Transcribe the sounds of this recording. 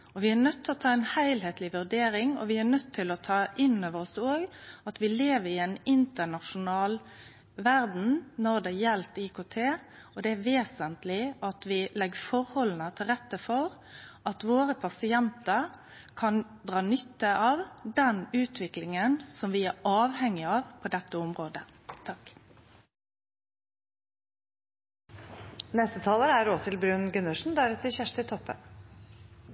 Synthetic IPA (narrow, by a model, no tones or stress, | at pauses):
ɔʋɪænœt̪ʰːɪlɔt̪ʰɑːɛnhæɪlɦeːt̪lɪʋʉɖeːɾɪŋɔ̰ʋɪæɾnœt̪ʰːɪlɔt̪ʰɑːʔɪnːoːʋəɾɔsoːɡɑt̪ʋɪleːʋəɾɪɛnɪnt̪ənɑʂʊnɑːl | ʋæɾd̪n̩nɔɾd̪ɛjɛlt̪ikʰoːt̪ʰeːɔd̪ɛæʋeːsənt̪lɪʔɑt̪ʋɪlɛɡːfɔɾhɔlːnət̪ʰɪlɾɛt̪ːəfɔɾ | ɑt̪ʋoːɾəpʰɑsɪɛnt̪əɾ | kʰɑn | d̪ʁɑːnʏt̪ːəʔɑːʋd̪ɛnʉːt̪ʰʋɪklɪŋənsɔmʋɪæɾɑːʋhɛŋːɪɑːʋpʰɔd̪ɛt̪ːəɔmʁoːd̪ət̪ʰɑk | nɛst̪ət̪ʰɑːləɾæɾoːsɪlbɾʉːnɡʉnəʂn̩d̪æɾʉt̪ʰəçæʂʈɪt̪ʰɔpːə̰